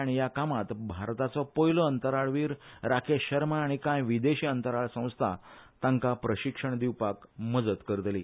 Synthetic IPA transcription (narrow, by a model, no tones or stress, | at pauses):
aɽ̃ijakamat̪bʱaɾt̪at͡sɔpɔiləːnt̪əɾaɭʋiːɾɾakʰeɕəɾmaaɽ̃ikãjʋid̪eɕiːənt̪əɾaɭsə̃w̃st̪ʰa̰t̪ãŋkapɾəɕikʂəɳd̪iwpakməd͡zət̪kəɾət̪liː